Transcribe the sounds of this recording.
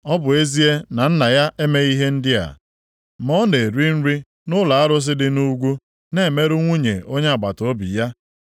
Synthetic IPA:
ɔ˦bʊ˨e˦zi˦e˦na˨n̩˦na˨ja˦ʔe˦me˦i˦ɦe˦n̩˦dɪ˦a̰˨ | mɔ˦ne˨ɾi˦n̩˦ɾi˦ | nʊ˦la˨a˦ɾʊ˦s̬ɪ˦dɪ˦nu˦ɡʷu˦ | ne˦˨me˦ɾʊ˦ŋʷu˦ɲḛ˨ʔo˦ɲe˦a˨ɡ͡ba˨to˦bḭ˨ja˦

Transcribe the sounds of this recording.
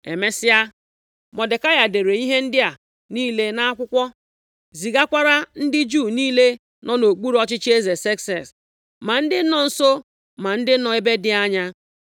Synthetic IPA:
e˨me˦sɪ˦a˦ | mɔ˨de˨ka˦ja˨de˨ɾe˨i˦ɦe˦n̩˦dɪ˦a˨ | niː˦le˦na˦a˦kʷʊ˦kʷɔ˦ | zi˨ɡa˦kʷa˦ɾa˦n̩˦dɪ˦d͡ʒuː˦˨niː˦le˦ | nʔɔ˦no˨k͡pu˦ɾɔ˦t͡ʃɪ˦t͡ʃe˦ze˨se˦ksɛ˨s | ma˨n̩˦dɪ˦nɔ˨n̩˨so˦ | ma˨n̩˦dɪ˦nɔ˨e˦be˦dɪ˦a˦ɲa˦

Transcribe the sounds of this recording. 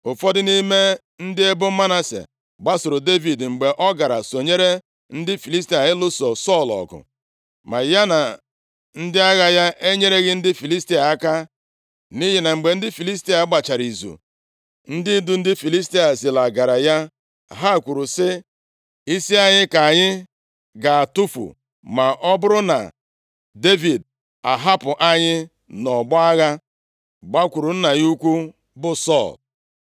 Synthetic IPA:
ʊ˨fɔ˦dɪ˦ni˦me˦ | n̩˦dɪ˦e˦bʊ˦ma˦na˦sḛ˨ | ɡ͡ba˦sʊ˨ɾʊ˨de˦vi˨dŋ͡m̩˨ɡ͡be˨ʔɔ˦ɡa˨ɾa̰˨so˨ɲe˦ɾe˦ | n̩˦dɪ˦fi˨li˦sti˦a˨ɪ˦lʊ˦so˨sɔ˦˨lɔ̰˨ɡʊ̰˨ | ma˨ja˦na˨ | n̩˦dɪ˦a˦ɣa˦ja˦ʔe˦ɲe˦ɾe˦ɣɪ˦n̩˦dɪ˦fi˨li˦sti˦a˨a˦ka˦ | ni˦ɦi˨na˨ŋ͡m̩˨ɡ͡be˨n̩˦dɪ˦fi˨li˦s̬ti˦a˨˦ɡ͡ba˨t͡ʃa˨ɾi˨zṵ˨ | n̩˦dɪ˦du˨˦n̩˦dɪ˦fi˨li˦s̬ti˦a˨zi˨la˨ɡa˨ɾa˨ja˦˨ | ɦa˦˨kʷu˨ɾu˨sɪ˦ | i˦si˦a˦ɲɪ˦ka˨a˨ɲɪ˦ | ɡa˨a˨tu˦fṵ˨ | ma˨ʔɔ˦bʊ˦ɾʊ˦na̰˨ | de˦vi˨d̚ | a˨ɦa˦pʊ˨ʔa˦ɲɪ˦ | nɔ˨bʊ˦a˦ɣa˦ | ɡ͡ba˦kʷu˨ɾu˨n̩˦na˨ju˦kʷu˦ | bʊ˦sɔ̰˦˨l

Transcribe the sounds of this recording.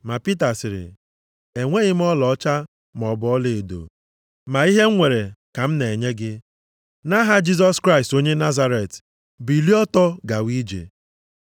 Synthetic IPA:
ma˨pi˦ta˨sɪ˨ɾɪ̰˨ | e˨ŋʷe˦ɣɪ˦m̩˦ɔ˦lɔ˨˦t͡ʃa˦ | m˨ɔ˨bɔ˦ɔ˦le˨e˨do̰˨ | ma˨i˦ɦe˦ŋ̩˦ŋʷe˨ɾe˨ka˨m̩˦ne˨ɲe˦ɡɪ˦ | na˦ɦa˦d͡ʒi˦z̬ɔ˦skɾa˦ɪ˨sto˦ɲe˦na˦za˦ɾe˨t | bi˨li˦ɔ˦tɔ˦ɡa˨wi˦d͡ʒḛ˨

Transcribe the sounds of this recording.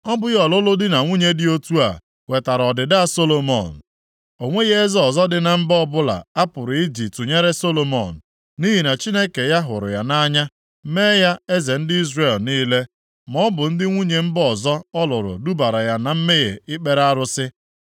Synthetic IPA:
ɔ˦bʊ˦jɔ˨lʊ˦lʊ˦dɪ˦na˨ŋʷu˦ɲe˦dɪ˦o˦tu˦a̰˨ | we˨ta˨ɾɔ˨dɪ˨da˦so˦lo˨mɔ̰˨n̩˨ | o˨ŋʷe˦ɣe˦e˦zɔ˨zɔ˦dɪ˨na˨m̩˦bɔ˦bʊ˦la̰˨a˦pʊ˨ɾʊ˨i˦d͡ʒi˨tu˨ɲe˦ɾe˦so˦lo˨mɔ˨n̩˨ | ni˦ɦi˨na˨t͡ʃi˦ne˦ke˨ja˦ɦʊ̰˨ɾʊ̰˨ja˨na˦ɲa˦ | me˦ja˦e˦ze˨n̩˦dɪ˦i˦zre˦˨lniː˦le˦ | mɔ˦bʊ˨n̩˦dɪ˦ŋʷu˦ɲe˨m̩˦bɔ˨zɔ˦ɔ˦lʊ˨ɾʊ̰˨du˦ba˨ɾa˨ja˨na˨m̩˦me˦ɣe˨ɪ˦k͡pe˦ɾa˦ɾʊ˦sɪ˦

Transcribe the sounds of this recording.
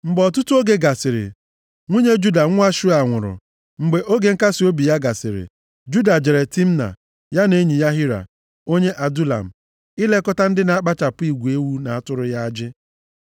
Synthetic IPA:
ŋ͡m̩˨ɡ͡bɔ˨t̬ʊ˦tu˦o˦ɡe˦ɡa˨sɪ˨ɾɪ̰˨ | ŋʷu˦ɲe˦d͡ʒu˦da˨ŋʷ˦a˦ʃu˦a˨ŋʷʊ˨ɾʊ̰˨ | ŋ͡m̩˨ɡ͡be˨ʔo˦ɡe˨ŋ̩˦ka˦si˨o˦bi˨ja˦ɡa˨sɪ̰˨ɾɪ̰˨ | d͡ʒu˦da˨d͡ʒe˨ɾe˨ti˦m̩˦na̰˨ | ja˦ne˦ɲi˨ja˦ɦi˦ɾa̰˨ | o˦ɲe˦ʔa˨du˦la̰˨m̩˨ | ɪ˦le˦kɔ˦ta˦n̩˦dɪ˦na˨a˦k͡pa˦t͡ʃa˨pʊ˦i˨ɡʷe˦wu˦na˨a˨tʊ˦ɾʊ˦ja˦a˦d͡ʒɪ˦

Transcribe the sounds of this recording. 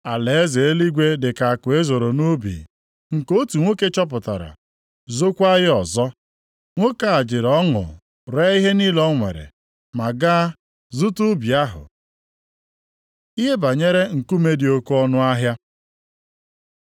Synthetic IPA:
a˨le˨e˦ze˨e˦li˦ɡʷe˦dɪ˨ka˨kʊ˨e˦zo˨ɾo˨nu˦bḭ˨ | ŋ̩˨ko˦tu˨ŋʷo˦ke˦t͡ʃɔ˦p̬ʊ˨ta̰˨ɾa̰˨ | zo˦kʷa˦ɣɪ˦ɔ˨zɔ˦ | ŋʷo˦ka˨a˨d͡ʒɪ˨ɾɔ˦ŋʊ̰˨ | ɾe˦i˦ɦe˦ni˦lɔ˦ŋʷḛ˨ɾḛ˨ | ma˨ɡa˦ | zʊ˦tu˦bi˨a˦ɦʊ̰˨ | i˦ɦe˦ba˨ɲe˦ɾe˦ŋ̩˨ku˦me˦di˨o˦kɔ˦nʊ˦a˦ɦja˦

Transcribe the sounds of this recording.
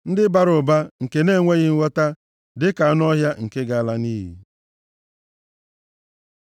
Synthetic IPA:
n̩˦dɪ˦ba˨ɾʊ˨ba˦ŋ̩˨ke˨ne˦˨ŋʷe˦ɣɪ˦ŋ̩˦wʷɔ˦ta˦ | dɪ˦ka˨a˦n˦ɔ˦ɦja˦ŋ̩˨ke˦ɡa˨a˦˨la˦niː˦ɦḭ˦

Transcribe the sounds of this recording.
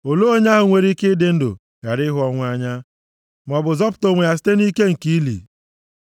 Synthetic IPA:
o˨lo˦o˦ɲa˦ɦʊ˨ŋʷe˨ɾi˦kɪ˦dɪ˦n̩˦dʊ̰˨ | ja˨ɾɪ˦ɦʊ˦ɔ˦ŋʷ˦a˦ɲa˦ | m˨ɔ˨bʊ˨zɔ˦p̬ʊ̥˦to˨ŋʷe˨a˨s̬i̥˦te˦ni˦ke˦ŋ̩˨ki˦lḭ˨

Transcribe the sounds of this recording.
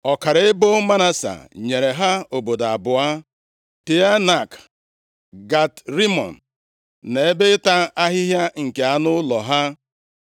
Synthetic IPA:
ɔ˨ka˨ɾɪ˨e˦bo˦ma˦na˦sa̰˨ɲe˨ɾe˨ɦa˦o˨bo˨da˨bʊ˨a˦ | ti˨a˦na˨k | ɡa˨tɾi˦mɔ̰˨n̩˨ | ne˨e˦be˦ta˦a˦ɦɪ˦ɦja˦ŋ̩˨ke˨a˨nʊ˦lɔ˨ɦa˦

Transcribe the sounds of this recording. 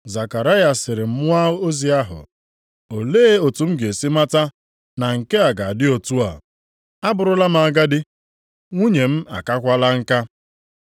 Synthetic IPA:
za˨ka˨ɾa˦ja˨sɪ˨ɾɪ˨m̩˦mʊ˦a˦o˦zi˨a˦ɦʊ̰˨ | o˨leː˦o˨tu˨m̩˦ɡe˨si˦ma˦ta˦ | na˨ŋ̩˨ke˦a˨ɡa˨a˨dɪ˦o˨tu˦a̰˨ | a˦bʊ˨ɾʊ˦la˦m̩˦a˨a˨ɡa˦dɪ˦ | ŋʷu˦ɲe˨m̩˦a̰˨ka˦kʷa˦la˦ŋ̩˦ka˦

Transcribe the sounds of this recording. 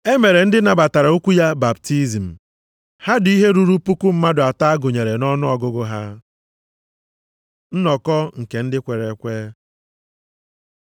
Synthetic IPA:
e˦me˨ɾe˨n̩˦dɪ˦na˨ba˨ta˨ɾa˨u˦kʷu˦ja˦ba˨b̚ti˦zi˨m̩˨ | ha˦dʊ˨i˦ɦe˦ɾu˦ɾu˦pu˦kʷu˦m̩˦ma˦dʊ˨a˨ta˦a˦ɡʊ˨ɲe˨ɾe˨nɔ˦nʊ˦ɔ˨ɡʊ˦ɡʊ˦ɦa˦ | n̩˦nɔ˨kɔ˦ŋ̩˨ke˨n̩˦dɪ˦kʷe˨ɾe˨kʷeː˦

